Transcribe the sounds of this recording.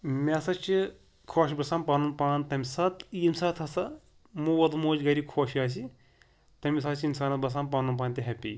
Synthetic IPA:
mʲesɐt͡ʃi | kʰoːʃbɐsaːmpaːnunpaːnt̪ɐmʲisɐt̪jimsɐt̪ʰɐsɐ | muːwɐd̪moːd͡ʒɡɐɾikʰoːʃaːs̬i | t̪ɐmʲis̬ɐːt͡ʃiinsaːnɐt̪̚bɐs̬aːmpɐːnunp̬aːnʲt̪ʲiɦɐpʲḭ

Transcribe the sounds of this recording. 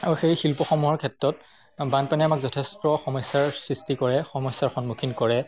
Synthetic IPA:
auxejxilpɔxɔmuɦɔɹkʰɛtɹɔt̚ | banpanɛamakzɔtʰɛstɹɔxɔmɔjsːaɹsɹistikɔɹɛxɔmɔsːaɹxɔnmukʰinkɔɹɛ

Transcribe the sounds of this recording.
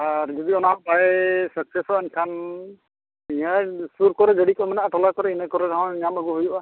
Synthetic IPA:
aɾd͡ʒɔd̪iɔnabajsəksesɔankʰan | ijasuɾkɔɾɛd͡ʒəɽikɔmanaʔaʈɔlakɔɾɛinakɔɾɛɾaɦɔ̃ɲamaɡɔɦujuʔa

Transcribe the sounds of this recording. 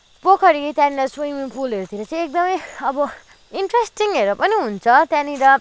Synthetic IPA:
pokʰʌɾit̪jãniɾʌswiŋmipʰulʌɾut̪ʰiɾʌt͡sʌ̃j̃ek̚d̪ʌmʌjʌbʌ | iɳʈresʈiŋeɾupʌniɦunt͡sʰʌt̪janiɾʌ

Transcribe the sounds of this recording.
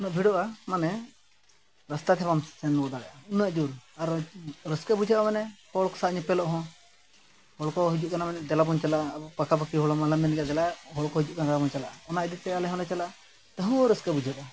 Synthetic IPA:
unəʔbʱiɽɔʔamanɛ | ɾəst̪at̪ʰɛbamsɛnːɔd̪aɽɛʔaunaʔd͡ʒuɾaɾɾəskɛbud͡ʒʱaʔamanɛkɔɭɔkɔ̥saɲipɛlɔʔɦɔ̃ | hɔɭɔkɔɦid͡ʒuʔ̚kanamanɛd̪ɛlabɔnt͡ʃalabɔpakapakiɦɔɭɔmaləmɛnɛkad̪ɛlaʔɦɔɽkɔɦid͡ʒuʔkanad̪ɛlabɔnt͡ʃala̰ʔɔnaid̪it̪ɛalɛɦɔ̃lɛt͡ʃala | t̪əɦɔ̃ɔɾəskabud͡ʒʱaʔa

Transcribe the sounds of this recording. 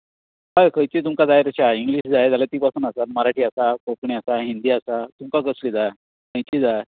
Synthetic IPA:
kajkʰəjt͡ɕiːt̪umkad͡zajt̪ət͡ɕaiŋɡliɕd͡zajd͡zalat̪iːpasuːnasat̪məɾaʈʰiːasakokɳiasaɦind̪iːasat̪umkakəsliːd͡zaj | kʰəjt͡ɕiːd͡za

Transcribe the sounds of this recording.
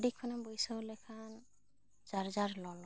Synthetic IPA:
dikʰːɔnambɔjsɔwlɔjkʰan | z̥aɹzaɹlɔlɔ

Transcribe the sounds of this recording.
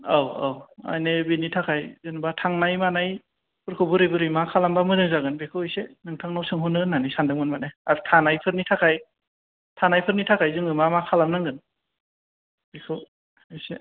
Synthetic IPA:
awa̰wa̰jnebinitʰakʰajzɯŋbatʰaŋnajmanaj | pʰɯɾkʰɯbɯɾibɯɾɯjmakʰalambamɯɾɯŋzaɡɯnbekʰɯɯjsenɯŋtʰaŋnawsɯŋɦunɯnanisandɯŋmɯnmanajaɾtʰanajpʰɯɾnitʰakʰaj | tʰanajpʰɯɾnitʰakʰajzɯŋɯmamakʰalamnɯŋɡɯn | b̥ekʰɯ | ɯse

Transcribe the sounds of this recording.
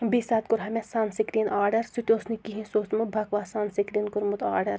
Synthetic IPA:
bisaːt̪kʊɾɦɐmesaːnsikɾinaːɾɖɐɾsut̪ʲoːsnikiɦĩsoːsmut̪̚bʱɐkʋaːsaːnsikɾinkʊɾmut̪a̰ːɾɖɐɾ

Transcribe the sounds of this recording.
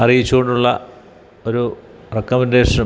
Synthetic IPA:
ɐrijit͡ɕːuɣo̞ɳɖuɭːɐ̰ | o̞ɾu | rekːɐmɐnde̞ːʂɐn

